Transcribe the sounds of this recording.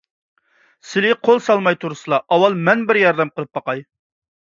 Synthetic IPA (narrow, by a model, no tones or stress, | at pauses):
sɪlɪqʰolˠsɑlˠmɑjt̪ʰuɾɨsɨlˠɑʔɑwɑlˠmɛnbɪɾjɑɾd̪ɛmqəlˠəp̚bɑqɑj